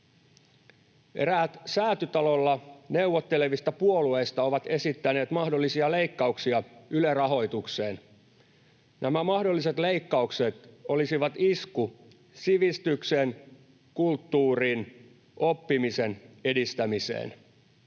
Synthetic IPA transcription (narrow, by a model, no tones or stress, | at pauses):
e̞̰ɾæːt̪sæːt̪yt̪ɑlo̞lːɑneuʋot̪ːeleʋist̪ɑpuo̞lue̞ːst̪ɑo̞ʋɑt̪e̞sit̪ːæne̞ːt̪mɑhdo̞lːisiɑle̞ikːɑuksiɑylerɑɦo̞jt̪ukse̞ːn | nʔæmæmɑhdo̞lːiset̪le̞ikːɑukset̪o̞lisiʋɑt̪isku | siʋist̪yksen | kult̪ːuːriːn | ʔo̞pːimisene̞dist̪æmisḛːn